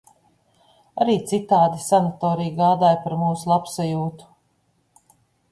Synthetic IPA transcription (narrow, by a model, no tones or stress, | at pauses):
aɾiːt̪sit̪aːd̪isanat̪ɔːɾijɡaːd̪aːjpaɾmuːsulˠapsajuːt̪u̥